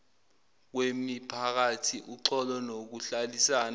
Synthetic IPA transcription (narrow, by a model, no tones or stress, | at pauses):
k̬wemipʰak̬atʰiʔuǀɔlɔnok̬uɬalisaːna